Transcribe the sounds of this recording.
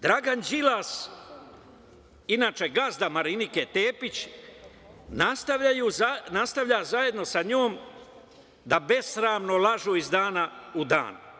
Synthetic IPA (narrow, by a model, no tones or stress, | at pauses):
d̪ɾaɡand͡ʒilas | inaːt͡ʃe̞ɡazd̪amaɾiniket̪eːpit͡ɕ | nast̪aʋajuanast̪aʋʎazaje̞d̪no̞saɲoːm | d̪abe̞sɾaːmnolˠaʒuːizd̪aːnaud̪a̰ːn